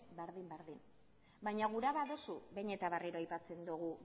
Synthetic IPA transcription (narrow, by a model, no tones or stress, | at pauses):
be̞ɾðimbeɾðin | bajɲaɣ̞uɾaβaðo̞suβe̞ɲe̞t̪aβariɾoajpat͡se̞nd̪uɣ̞u